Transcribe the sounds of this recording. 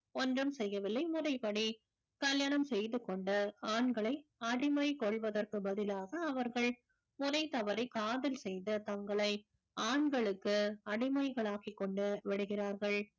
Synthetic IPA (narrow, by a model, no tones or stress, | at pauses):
ɔndrɯmsɛjːɐʋɪlːɐɪmʊrɐɪpɐɽi | kɐljaːɳɐmsɛjðɯkːɔɳɖɯaːɳɡɐɭɐɪɐɽɪmɐɪkɔɭʋɐðɐrkɯbɐðɪlaːɣɐːʋɐɾɣɐɭ | mʊrɐɪt̪ɐʋɐɾɐɪkaːðɪlsɛjðɯt̪ɐŋɡɐɭɐɪ | aːɳɡɐɭɯkːɯɐɽɪmɐɪɣɐɭaːkikːɔɳɖɯʋɛɽɯɣɪraːɾɣɐɭ